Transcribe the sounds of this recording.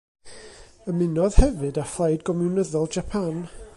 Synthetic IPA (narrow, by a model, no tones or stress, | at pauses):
əmɪnɔðhɛvɨdaflˠajdɡɔmɪnəðɔlˠd͡ʒapʰan